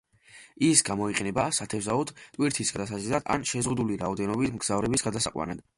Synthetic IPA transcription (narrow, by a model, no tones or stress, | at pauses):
isɡamɔiqʼɛnɛbasat̪ʰɛvzaɔd̪̥t̪ʼwiɾt̪ʰisɡad̪asazizad̪a̰nʃɛzʁud̪uliɾaɔd̪ɛnɔbismɡz̥avɾɛbisɡad̪asaqʼwa̰nad̪̥